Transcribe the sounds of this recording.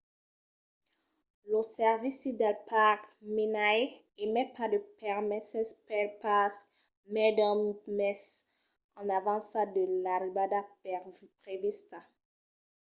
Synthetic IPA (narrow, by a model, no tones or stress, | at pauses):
losɛʁvisid̪alpʰakmenaj | emɛpad̪əpɛʁmɛsɛspɛlpas | mɛd̪ɔmmɛs | ɑ̃navɑ̃sad̪əlaɾibad̪a | pʁevist̪a